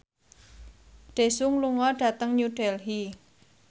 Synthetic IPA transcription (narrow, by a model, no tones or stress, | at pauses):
ɖ̥e̤sʊŋluŋɔɖ̥ä̤t̪əŋɲuɖ̥ɛlɦi